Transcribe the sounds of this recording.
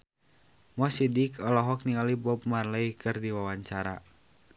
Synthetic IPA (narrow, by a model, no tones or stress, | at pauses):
mɔsidikɔlɔɦɔk̚niŋalibɔp̚marləikʰɨrdiwawaɲt͡ʃaɾa̰